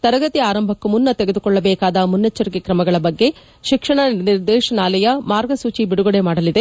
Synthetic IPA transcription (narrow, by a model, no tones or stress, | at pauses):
t̪ɐɾɐɡɐt̪iaːɾɐmbʱɐkːumunːɐt̪eɡed̪ukɔɭːɐbɛːkaːd̪ɐmunːet͡ʃːɐɾikikɾɐmɐɡɐɭɐbɐɡːe̞ | ʃikʂɐɳɐniɾd̪ɛːʃɐnaːlɐjɐmaːɾɡɐsuːt͡ʃibiɽuɡɐɽemaːɽɐlid̪e